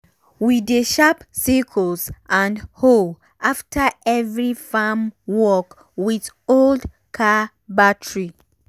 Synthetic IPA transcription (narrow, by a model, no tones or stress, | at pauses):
wideʃapsikʰɔlsʔãnhol | ʔaftʰəɛvɹifamwɔk | wið | old | kʰa | batɹi